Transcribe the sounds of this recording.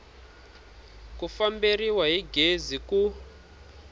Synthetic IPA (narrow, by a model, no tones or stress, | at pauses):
kufambiriwaɦiɡʱeziku